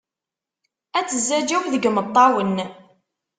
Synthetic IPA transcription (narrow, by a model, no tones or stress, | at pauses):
æt͡sːəzːæd͡ʒæwðəɡmət̪ˤːɑwənː